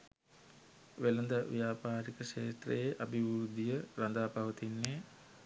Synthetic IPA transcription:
ʋelənd̪əʋḭjaːpaːɾikəʃeːt̪rḛjeʔabiʋuɾud̪ijəɾand̪aːpaʋət̪inːe

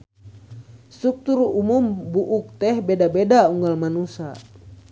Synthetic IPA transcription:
suk̚t̪uɾumumbuʔuk̚t̪ɛhbɛdabɛdauŋɡalmanusa̰

